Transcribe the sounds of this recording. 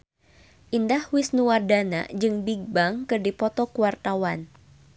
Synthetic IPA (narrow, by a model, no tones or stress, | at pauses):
ʔindahwɪsnuwardana̰d͡ʒɨŋbiɡ̚baŋkɨrdipɔt̪ɔkuwart̪awan